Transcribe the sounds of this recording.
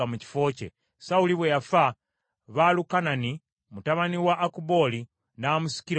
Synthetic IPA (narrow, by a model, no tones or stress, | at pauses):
amuci̥fo̞ːcḛ | sauliβwejafa | βalukanani | mutaβaniwaʔːkubo̞li | naːmusi̥kiɾ